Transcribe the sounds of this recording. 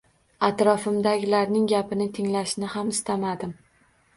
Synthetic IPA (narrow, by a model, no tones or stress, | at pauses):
at̪ɾɒfɪmd̪aɡʲɪlaɾnɪŋɡʲapʰɪnɪt̪ʰɪŋlaʃnɪhamɪst̪amad̪ɪm